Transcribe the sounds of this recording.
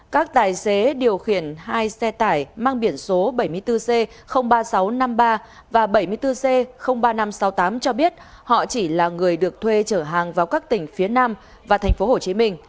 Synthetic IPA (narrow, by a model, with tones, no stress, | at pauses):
kaː˦˥k̚t̪aː˨˩jse˨˦ɗi˨˩əwxi˧˩ənhaː˧jsɛ˧t̪aː˧˩jmaː˧ŋɓi˧˩ənso˨˦ɓə˧˩jmɨ˧əjt̪ɨ˧se˧ | xə˧wŋ͡mɓaː˧sa˨˦wna˧mɓaː˧ | vaː˨˩ɓə˧˩jmɨ˧əjt̪ɨ˧se˧xə˧wŋ͡mɓaː˧na˧msa˨˦wt̪aː˨˦mt͡ɕɔ˧ɓi˦˥ət̚ | hɔ̰˧˨t͡ɕi˧˩laː˨˩ŋɨ˨˩əjɗɨ˨˩ək̚t̪ʰwe˧t͡ɕəː˧˩ɦaː˨˩ŋvaː˨˩wkaː˦˥k̚t̪ï˧˩ŋ̟fi˨˦ənaː˧m | vaː˨˩t̪ʰɛ˨˩jŋ̟fo˨˦ho˧˩t͡ɕi˨˦mï˧ŋ̟